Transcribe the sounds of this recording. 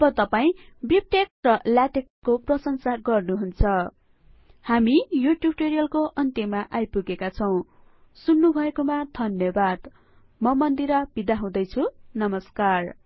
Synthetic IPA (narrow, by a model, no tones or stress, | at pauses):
ʌbʌt̪ʌpaĩ | bip̚ʈek̚rʌljaʈekːoprʌsʌnsaɡʌrnuɦunt͡sʰʌ | hamijuʈjub̚ʈeɾijʌlkoʔʌnt̪emaʔajpuɡekat͡sʰʌw̃ | sunːubʱʌekomad̪ʱʌnjʌbad̪ | mʌmʌnd̪iɾʌb̥id̪aɦũd̪ʌjt͡sʰunʌmʌskar